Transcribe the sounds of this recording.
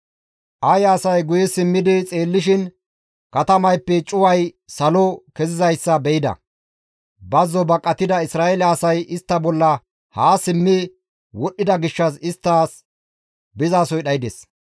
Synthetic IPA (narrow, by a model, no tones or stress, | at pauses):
ʔɐjɐːsɐjɡʊjɛsɪmːɪd̪ɪt͡sʼe̞ːlːɪʃɪn | kɐt̪ɐmɐjpːɛt͡ʃʼʊwɐj | sɐlɔkɛzɪzɐjsːɐbɛɪd̪ɐ̰ | bɐzːɔbɐkʼːɐt̪ɪd̪ɐɪsɾaːelɛɐsɐjʔɪst̪ːɐbɔlːɐ | haːsɪmːɪ | wɔɗːɪd̪ɐɡɪʃːɐsɪst̪ːaːs | bɪzaːsɔjɗɐjɪd̪es